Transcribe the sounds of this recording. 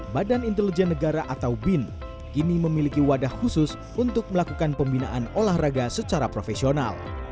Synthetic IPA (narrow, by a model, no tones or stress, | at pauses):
badanint̪ɛlid͡ʒɛnːəɡaɾaʔat̪awbɪn | kiniməmilikiwadahhusʊs | unt̪ʊk̚məlakukanpəmbinaʔanolahraɡasət͡ʃaɾapɾofesiona̰l